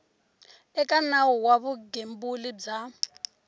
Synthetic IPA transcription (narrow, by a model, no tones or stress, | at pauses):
ɛkʼanawuwaβuɡembulib͡ʐa